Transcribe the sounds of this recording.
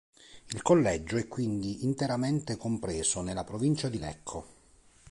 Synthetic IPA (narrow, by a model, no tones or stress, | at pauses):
ilkolːɛd͡ʒːoɛkːwind̪iint̪eɾamɛnt̪ekompɾɛːsonelːapɾovint͡ʃad̪ilɛ̰kʰːo